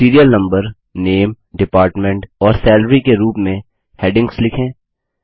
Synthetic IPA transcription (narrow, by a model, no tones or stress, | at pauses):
iːɾijəlnɐ̃mbəɾ | neːm | ɖɪpaːɾʈmẽɳʈɔːɾsɛːlɾikeɾuːpmẽ | hɛːɖɪ̃ŋɡslɪkʰẽː